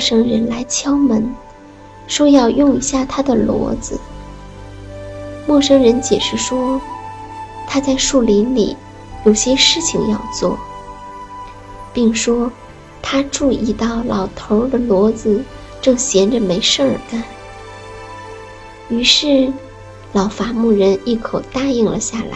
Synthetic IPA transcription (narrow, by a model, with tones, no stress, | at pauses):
ɔ˥˧ʂɤ˥ŋɻə˧˥nla˧˥ɪt͡ɕʰjɑ˥ʊmə˧˥n | ʂwɔ˥jɑ˥˧ʊjʊ˥˧ŋi˧˥ɕja˥˩t̪ʰa˥d̪ə˨lwɔ̰˧˥d͡zɹ̩˧ | mwɔ˥˩ʂɤ˥ŋɻə˧˥nt͡ɕjɛ̰˨˩ʂɻ̩˧˥˩ʂwɔ˥ | t̪ʰa˥t͡sa˥˧ɪʂu˥˩li˧˥nlḭ˨˩˦ | jo˨˩ʊɕjɛ˥ʂɻ̩˥˩t͡ɕʰi˨˩ŋjɑ˥˧ʊt͡swɔ̰˥˩ | pi˥˩ŋʂwɔ˥ | t̪ʰa˥ʈ͡ʂu˥˧i˥˧t̪ɑ˥˩ʊlɑ˨˩ʊt̪ʰo˧˥ʊd̪ə˧lwɔ˧˥d͡zɹ̩˧ | ʈ͡ʂɤ˥˩ŋɕjɛ˧˥nʈ͡ʂə˧me˧˥ɪʂɤ˥˩ə˞˨˩ka˥n | y˧˥ʂɻ̩˥˩ | lɑ˨˩ʊfa˧˥mu˥˩ɻə˧˥ni˥˩kʰo˨˩ʊt̪a˥˧i˥˩ŋlə̰˩ɕja˥˩la̰˧˥ɪ